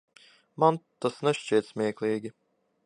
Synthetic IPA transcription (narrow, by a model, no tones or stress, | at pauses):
mant̪asnɛʃt͡ʃiɛt̪smʲiɛklʲˠiːɡʲi